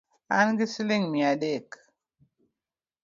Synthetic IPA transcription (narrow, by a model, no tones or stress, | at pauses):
anɡisiliŋmiadek